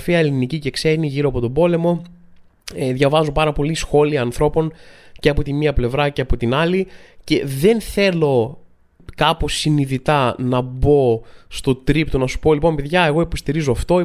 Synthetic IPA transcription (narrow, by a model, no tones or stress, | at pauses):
fiɐelinicice̞kseniʝiɾoɐpo̞t̪obo̞le̞mo̞ | ðʝɐvɐzopɐɾɐpo̞lisxo̞liɐːnθɾo̞po̞nceɐpo̞t̪iniɐple̞vɾɐceɐpot̪inɐlice̞ðe̞nθe̞lo̞ | kɐpo̞siniðit̪ɐnɐbo̞st̪o̞t̪ɾipt̪onɐsu̥po̞lipo̞mpe̞ðʝɐe̞ɣo̞ipo̞st̪iɾizoɐft̪o̞